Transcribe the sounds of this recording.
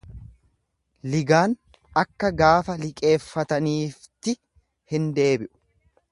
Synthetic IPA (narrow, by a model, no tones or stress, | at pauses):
lɪɡaːn | ɐkːɐɡaːfɐlɪkʼe̞ːfːɐt̪ɐniːft̪ɪ | hɪnd̪e̞ːbɪʔʊ̥